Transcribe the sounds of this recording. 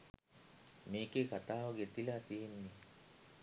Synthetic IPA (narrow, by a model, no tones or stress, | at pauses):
meːkekat̪aːʋaɡet̪ilat̪ijenːi